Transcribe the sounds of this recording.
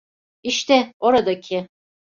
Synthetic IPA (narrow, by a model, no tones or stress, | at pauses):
iʃt̪ɛoɾad̪acʰɪ